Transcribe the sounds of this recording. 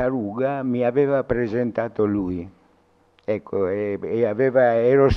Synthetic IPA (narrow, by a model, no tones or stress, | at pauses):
aɾuːɡamiavɛːvapɾezent̪aːt̪olui | ɛkʰːoɛeaveːvaɛːɾos